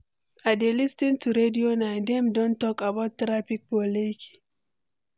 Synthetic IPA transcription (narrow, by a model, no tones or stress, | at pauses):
adelistintuɾedionajndemdɔntɔkabatːɾapik̚boleki̥